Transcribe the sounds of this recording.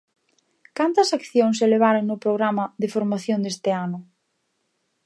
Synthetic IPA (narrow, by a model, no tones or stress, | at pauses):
kant̪ɐsakθjoŋs̬eleβ̞aɾoŋnʊpɾoɣɾamɐðɪfoɾmaθjond̪est̪ɪanʊ